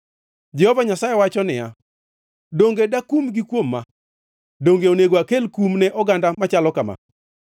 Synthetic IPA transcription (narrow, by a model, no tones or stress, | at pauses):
d͡ʒɛhɔvaɲasajewat͡ʃɔnɪja̰ | doŋɡedakumɡikwomːa | doŋɡeoneɡoakelkumnɛʔɔɡandamat͡ʃalɔkama̰